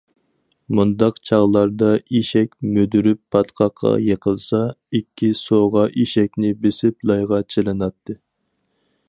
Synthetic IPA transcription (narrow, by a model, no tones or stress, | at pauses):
mund̪ɑqt͡ʃʰɑʁlˠɑɾd̪ɑiʃɛkʲmød̪yɾypʰːɑt̪qʰɑqʰːɑ̰jeqʰəlˠsɑikʲʰːisoʁɑʔiʃɛk̚ʲnɪbesɪplˠɑjʁɑt͡ʃʰelˠɨnɑt̪ʰːɨ